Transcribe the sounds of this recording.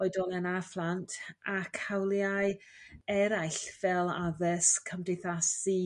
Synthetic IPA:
ɔɨdɔlˠanaflˠantʰakʰawlˠjaɨ | ɛɾajɬv̥ɛlˠa̰ðəskʰəmdɪjθasi

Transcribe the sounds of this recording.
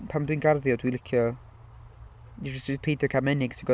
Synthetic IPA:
pʰamdwinɡarðjɔdwilɪkʰjɔ | ipʰejdɔkʰamɛnɪɡ̥tʰiɡɔ

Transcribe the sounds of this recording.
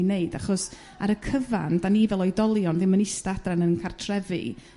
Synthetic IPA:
neɨd̥aχɔs | aɾəkʰəva̰ndanivɛlˠɔjdɔlˠjɔnðɪmənɪstaadranənkʰartʰrɛvɨ̰

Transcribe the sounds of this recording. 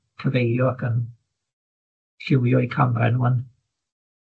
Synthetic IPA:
kʰəvejdjɔakən | ɬɪwjɔikʰamrɛ̰nuən

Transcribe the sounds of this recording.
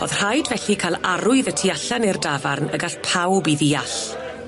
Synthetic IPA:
o̰ðr̥ajdvɛɬikʰalˠaɾʊɨðətʰiaɬanɪrdavarnəɡaɬpʰawbiðiaɬ

